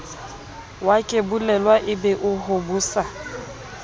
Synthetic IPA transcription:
wakʼebulɛlwaʔɪbɛʔʊɦobuːsa

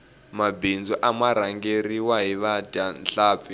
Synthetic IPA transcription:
mabind͡zɔʔamaɾaŋɡeriwaɦiβadanɬaːp̪fi

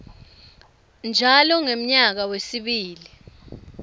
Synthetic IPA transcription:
nd͡ʒʱalɔŋem̩ɲak̬awesiɓiːli

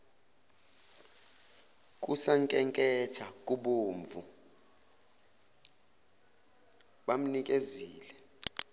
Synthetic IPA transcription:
k̬ʼusaŋkʼɛŋkʼɛtʰakʼuɓoːɱvu | ɓam̩nikʼeziːlɛ

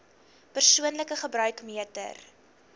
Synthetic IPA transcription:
pərsuənləkəχəbɾœɥkmiətə̰r

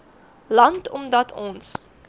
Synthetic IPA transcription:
lɐntʰɔmdɐtʰɔ̃ns

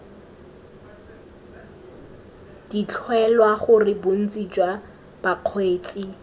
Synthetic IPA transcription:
d̥it͡ɬʰwɛlwaχʊrɪbon̩t͡sʼid͡ʒwa | b̥aq͡χʰweːt͡sʼi

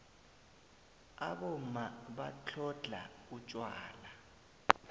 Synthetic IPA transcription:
aɓɔmaɓat͡ɬʰɔɮʱa̰ut͡ʃʼwaːla

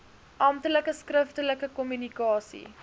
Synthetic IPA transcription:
ʔɐmtələkəskrəftələkəkɔmynikɑːsḭ

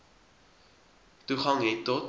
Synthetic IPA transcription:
tuχɐŋɦɛtːɔt

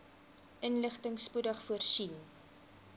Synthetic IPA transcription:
ʔənləχtəŋspudəχfuərsin

